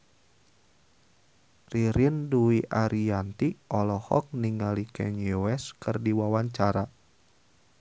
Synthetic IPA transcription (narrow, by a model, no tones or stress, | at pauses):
riɾinduiʔaɾiant̪iʔɔlɔhɔ̰k̚niŋalikʰɛ̰ɲuwɛskɨrdiwawaɲt͡ʃaɾa